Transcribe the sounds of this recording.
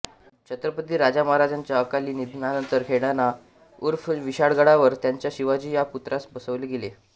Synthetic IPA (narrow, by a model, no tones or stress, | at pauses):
t͡ɕʰət̪ɾəpət̪iːɾad͡zaməɦaɾad͡ʑaɲt͡ɕjaəkaliːnid̪ʱnanənt̪əɾkʰeɽana | uɾfʋiɕaɽɡəɽaʋəɾt̪jaɲt͡ɕjaɕiʋad͡ʑiːjaput̪ɾʔasbəsəʋleɡele